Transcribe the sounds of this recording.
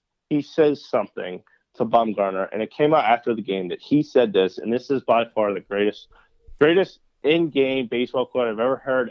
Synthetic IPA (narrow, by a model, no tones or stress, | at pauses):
hisɛz̥sʌ̃mθɪ̰̃ŋ | tʰəbɑ̃mɡɑɹnə˞ʔɨ̰̃nɨt̚kʰẽɪ̃maʊɾæftə˞ðɨɡẽɪ̃mðɨt̚hisɛd̪̚ðɪsɨ̰̃nðɪsɨzbaɪfɑɹðɨɡ̥ɹeɪɾɨst̚ | ɡ̥ɹeɪɾɨst | ʔɪ̃nɡẽɪ̃mbeɪsb̥ɔlˠkʰɔɹaɪvɛvə˞hɜ˞ɾ